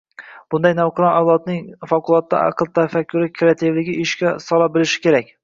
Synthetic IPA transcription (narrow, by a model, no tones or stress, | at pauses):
b̥ʊnd̪ajnawqʰɨɾɒnawlˠɒt̪̚nɪŋfɒkʊlˠɒt̪ːa̰ʔɑ̰qʰɨlˠt̪ʰafakʲʰːʊɾɪkʲʰɾeat̪ʰevlɪɡʲɪʔɪʃkʲasɒlˠabɪlɪʃɪ̥kʲʰe̞ɾak̚ʲ